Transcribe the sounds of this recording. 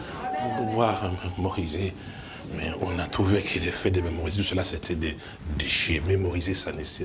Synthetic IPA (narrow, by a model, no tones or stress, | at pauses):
ɔ̃bovwaʁmmɔʁize | mɛɔ̃nat̪χuvekʰɛlɛfɛd̪ememɔʁizet̪usəlasɛt̪ʰɛd̪ɛ | d̪eʃememɔʁizesanesɛ